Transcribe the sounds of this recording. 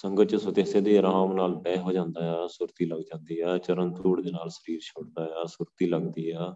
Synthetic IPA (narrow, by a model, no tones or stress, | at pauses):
səŋɡət͡ʃsʊd̪eːseːd̪iːɾaːmnaːlbɛːɦoːd͡ʒãːnd̪aːɛːsʊɾt̪iːləɡd͡ʒãːnd̪iːɛːt͡ʃəɾənt̪ʰuːɽd̪eːnaːlsəɾiːɾt͡ʃʰoːɽd̪aːɛːsʊɾt̪iːləɡd̪iːɦɛː